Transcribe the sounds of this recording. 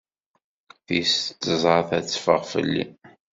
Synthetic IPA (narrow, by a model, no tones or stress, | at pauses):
θist͡s̪ːəzˤɑθæt͡sːfəʁfə̰lːḭ